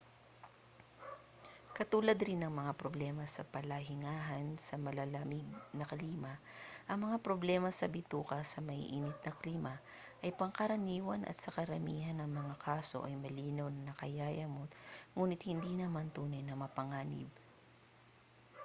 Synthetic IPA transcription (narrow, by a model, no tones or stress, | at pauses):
kɐt̪uːlɐd̪ɾinːɐŋmɐŋapɾoblɛmɐsɐpɐlɐɦɪŋaːɦɐnsɐmɐlɐlɐmɪɡ̚nɐkliːmɐ | ʔɐŋmɐŋapɾoblɛːmɐsɐbɪt̪uːkɐsɐmɐhḭʔiːnɪt̪̚nɐkliːmɐ | ʔɐjpɐŋkɐɾɐniːwɐnʔɐ̰t̪sɐkɐɾɐmiːɦɐnɐŋmɐŋakʰaːso̞̰ʔɐjmɐliːnɐwnɐnɐkɐjaːjɐmot̪ŋuːnɪt̪̚hɪnd̪inɐmant̪uːnɐjnɐmɐpɐŋaːnɪ̰b̚